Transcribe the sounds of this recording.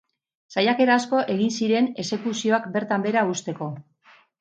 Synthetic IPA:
sajake̞ɾaːsko̞ʔe̞ɣinsiɾe̞ne̞se̞kusio̞akbe̞ɾt̪ambe̞ɾaust̪e̞ko̞

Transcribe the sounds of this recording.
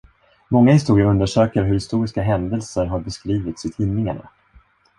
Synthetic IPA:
mɔŋːahɪst̪uːɾɪaɾɵnd̪əʂøːkəɾɦɵɾhɪst̪uːɾɪskaɦɛnd̪ɛlsəɾɦaɾbɛskɾiːvɪt̪sɪt̪ʰiːnːɪŋaɳa̰

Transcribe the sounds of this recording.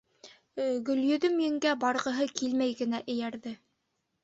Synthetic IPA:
ɡɵ̆ljɵ̆ðɵmjɘ̆ŋɡæbɑɾʁɤ̆ɦɤkilmæjɡɘ̆næʔɘ̆jæɾðɘ

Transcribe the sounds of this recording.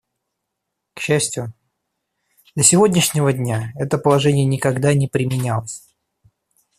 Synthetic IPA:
kɕːæsʲtʲjʊ | d̪lʲəsʲɪvo̞dʲnʲɪʂnʲɪvədʲnʲaɛt̪əpəlˠɐʐɛnʲɪjənʲɪkɐɡd̪anʲɪpɾʲɪmʲɪnʲalˠəsʲ

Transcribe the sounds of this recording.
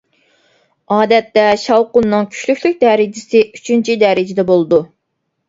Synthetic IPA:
ɑːd̪ɛt̪ːɛʃɑwqʊnnːɨŋkʲʰy̥ʃlykʲlyk̚ʲd̪ɛɾɪd͡ʒɪsɨyt͡ʃʰynt͡ʃʰid̪ɛɾɪd͡ʒɪd̪ɛbolˠɨd̪u

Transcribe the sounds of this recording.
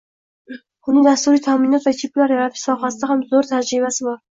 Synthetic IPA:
ʊnɪŋd̪ast̪uɾijt̪ʰaminɔt̪væt̪ʰiplæɾjaɾat̪ʰɪ̥sɒχasd̪ahamzoɾt̪ʰæd͡ʒɾiβasɪbɑɾ

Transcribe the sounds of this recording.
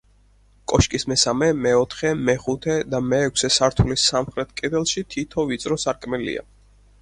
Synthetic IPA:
kʼɔʃkʼismɛsamɛmɛɔt̪ʰχɛmɛχut̪ʰɛd̪amɛːkʰʷsɛsaɾt̪ʰulisamχɾɛt̪̚ʰkʼɛd̪ɛlˠʃit̪ʰit̪ʰɔvit̪sʼɾɔsaɾkʼmɛlḭa̰

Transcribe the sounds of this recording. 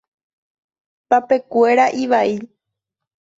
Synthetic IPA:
pape̞kʷe̞ɾaʔiʋai

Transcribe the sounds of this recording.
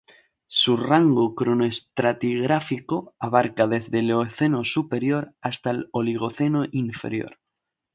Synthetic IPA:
suraŋɡokɾonoest̪ɾat̪iɣɾafikoaβ̞aɾkaðe̞zðe̞leoθe̞nosupe̞ɾjo̞ɾast̪aloliɣ̞o̞θe̞noʔiɱfe̞̰ɾjo̰ɾ

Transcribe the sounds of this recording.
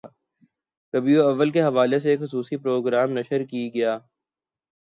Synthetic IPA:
kɐbioɐʋːəlkeɦɐʋaːles̬eːkxʊsuːsipɾoːɡɾaːmnɐʃəɾkiɡɐjaː

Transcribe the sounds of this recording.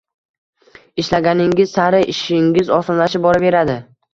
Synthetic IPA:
ɪʃlaɡʲanɪŋʲɪz̥saɾɪʔɪʃɪŋʲɪzɒsɒmlaʃɪp̚bɒɾɪbe̞ɾad̪ɪ

